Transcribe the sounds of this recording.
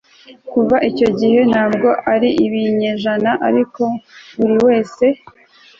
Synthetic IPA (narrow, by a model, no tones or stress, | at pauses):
kuvaʔico̞ɟihe̞n̥haːb̚ɡo̞ʔaɾiʔiβiɲe̞ʒanaʔaɾiko̞βuɾiwe̞ːse̞